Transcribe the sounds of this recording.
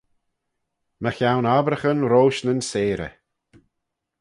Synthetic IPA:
məxjawnabɾəxənɾoːʃnənseːɾə̰

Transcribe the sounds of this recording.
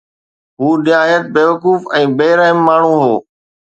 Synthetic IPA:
ɦuːɗɪaːjət̪̚beːʋəkuːfɛ̃ːbeːɾəɦɪmːaːɳ̤ũːɦoː

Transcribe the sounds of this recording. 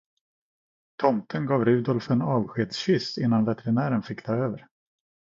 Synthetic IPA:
t̪ʰɔmt̪ʰənɡɑːvɾʉ̟ːd̪ɔlfɛnɑːvɧeːd̪sɕɪsɪnːanvɛt̪ɛɾɪnæːɾənfɪkːt̪ʰɑːøːvəɾ

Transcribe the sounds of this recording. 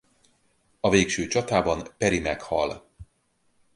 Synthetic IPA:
ɒveːkʃøːt͡ʃɒt̪aːbɒnpɛɾimɛkhɒl

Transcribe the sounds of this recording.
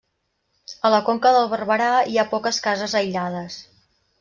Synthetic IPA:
ələkoŋkəðəlˠβərβəɾaiapɔkəskazəzəjʎað̞əs

